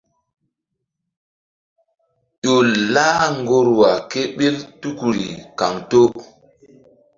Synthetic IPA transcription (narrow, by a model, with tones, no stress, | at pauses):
ʄo˨laː˦ŋɡo˦ɾwa˨ke˦ɓe˦ltu˦ku˨ɾḭ˨ka˨ŋto˦